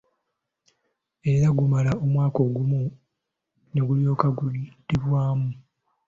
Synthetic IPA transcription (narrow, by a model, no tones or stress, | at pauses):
e̞ɾaɡumalao̞mwaːko̞ːɡumu | ne̞ɡuljo̞ːkaɡud̥iβwaːmu